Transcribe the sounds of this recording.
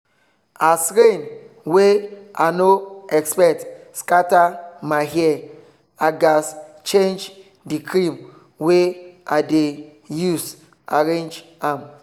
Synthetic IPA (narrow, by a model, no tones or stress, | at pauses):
asɾen | weʔa̰noɛkspɛk̚t | skatamaɦɛɛ | aɡas | t͡ʃẽnd͡ʒ | dikʰɾĩm | weʔade | jus | aɾẽnd͡ʒ | ãm